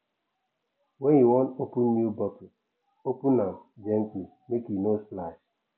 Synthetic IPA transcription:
wɛniwɔnopunnjubɔki | opunamd͡ʒeŋ̩ki | mekinoslaʃ

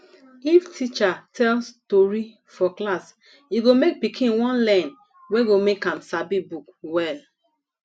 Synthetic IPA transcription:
iftʰit͡ʃatʰɛlstɔɹi | fɔklas | iɡomek̚pikʰĩnwɔ̃nlɛ̃n | weɡomekãmsabibukwɛl

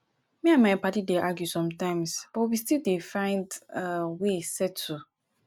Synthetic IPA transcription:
mĩãnmapatideʔaɡjusɔ̃mtãɪ̃msb̥ɔwistildefãɪ̃ndawesɛtʰu

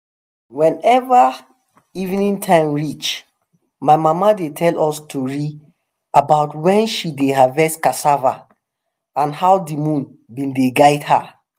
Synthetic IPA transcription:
wɛ̃nɛva | ivnĩntʰãɪ̃mɹit͡ʃ | maɪmamadetʰɛlɔstʰuɹi | abaʊtwɛ̃nʃideɦavɛskasava̰ | ãnhaʊdimũnbĩndeɡaɪdha̰

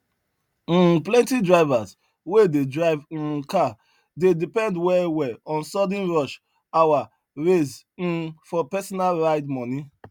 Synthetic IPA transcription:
plɛ̃ntidɹaɪvaz | wededɹaɪvĩnka | dedipɛ̃ndwɛwɛɔ̃nsɔd̃n̩ɹɔʃ | awa | ɹez̩̃ | fɔpɛsɔnalɹaɪtmɔ̃ni

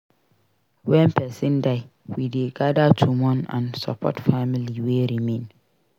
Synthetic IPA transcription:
wɛ̃npʰɛsɪ̃ndaɪ | wideɡadatʰumɔ̃nã̰nsɔ̰pʰɔ̰tfamiliweɾimẽːn

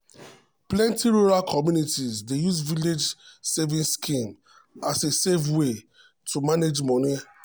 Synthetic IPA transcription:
plɛ̃ntiɹuɹalkʰɔmjunitizdejuzviled͡ʒsevĩnskʰĩm | asesefwe | tʰumaned͡ʒmɔnia

